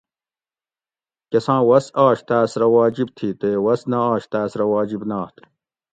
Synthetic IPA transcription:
kesãːwɐsaːɕt̪æːsɾɐwaːd͡ʑib̚t̪ʰiːt̪eːwɐsnɐaːɕt̪aːsɾɐwaːd͡ʑibnaːt̪

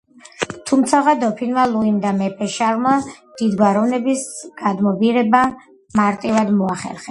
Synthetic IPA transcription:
t̪ʰumt̪sʰaʁad̪ɔpʰinmalˠuind̪amɛpʼɛʃaɾmad̪̥id̪ɡwaɾɔvnɛbisɡ̥ad̪mɔbiɾɛba | maɾt̪ʼivad̪mɔaχɛ̰ɾχɛ

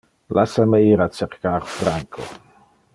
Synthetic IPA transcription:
lasameiːɾat͡ʃeɾkaːɾfɾaŋkʰo̰

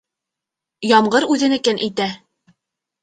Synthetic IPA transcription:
jɑmɢɤɾʉðɘ̆nɘ̆kɘnʔæjt̪æ

